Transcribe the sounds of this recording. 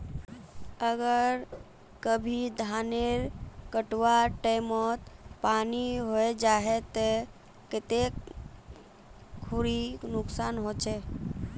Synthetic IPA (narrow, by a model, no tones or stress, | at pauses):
əɡəɾ | kəbʱid̪ʱaneɾkəʈwaʈəɪmɔt̪paniɦoed͡ʒaɦɛt̪ɔ | kɪt̪ek | kʰːuɾinuksanɦot͡ʃʰɛ